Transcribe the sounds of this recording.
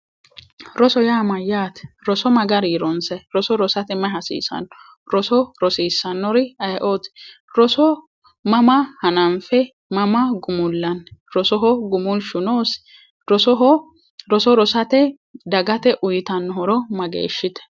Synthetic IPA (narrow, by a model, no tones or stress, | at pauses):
ɾɔsɔjaːmɐjːaːt̪ɾɔsɔmɐɡɐɾiːɾɔnsɛɾɔsɔɾɔsɐt̪ɛmɐɦɐsḭːsɐ̰n | ɾɔsɔɾɔsiːsːɐnːɔɾɪɐjʔoːt̪ɛ̥ | ɾɔsɔ | mɐmɐhɐnɐnfɛ | mɐmɐɡʊmʊlːɐnɾɔsɔɦɔɡʊmʊlʃʊnoːs | ɾɔsɔɦɔ | ɾɔsɔɾɔsɐt̪ɛ | d̪ɐɡɐt̪ɛʔʊjt̪ɐnːɦɔɾɔmɐɡḛːʃːɪt̪ɛ̥